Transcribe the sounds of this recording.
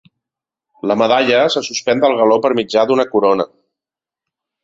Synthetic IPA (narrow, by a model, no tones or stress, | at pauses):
ləməðaʎəsəsuspɛnd̪əlˠɣəlopəɾmid͡ʒad̪unəkuɾonə̰